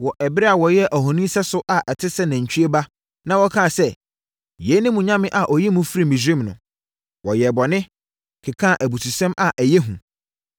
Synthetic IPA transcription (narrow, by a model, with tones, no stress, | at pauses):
wɔ˨ʔɛ˨bɪ˦ɾɛ˦a˨wɔ˨jɛ˦ʔæ˨ɦɔ̃˨nĩ˦sɛ˦sʊ˦ʔa˨ʔɛ˨tʰɪ˦sɛ˦næ̃˨ɲ̩˨t͡ɕʰᶣy˦e˦ba˦ | nã˦wɔ˦kʰã˦˨sɛ˦ | je˨˦nɪ̃˦mũ˨ɲã˦mɪ̃˦ʔa˨ʔɔ˨jɛ˦mũ˦fɾi˦mĩ˨sĩ˦mnʊ̰̃˨ | wɔ˨jɛ˨bɔ˨nɪ̃˦ | kʰɪ˨kʰã˦˨ʔæ˨bu˨tʰu˨sɛ̃˦ma˨ʔæ˨jɛ˦ɦũ˨